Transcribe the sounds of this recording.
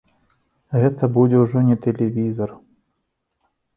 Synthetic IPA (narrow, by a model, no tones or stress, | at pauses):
ɣɛt̪ɐbud͡zʲɛwʐɔnʲɛt̪ɛlʲɛvʲizɐr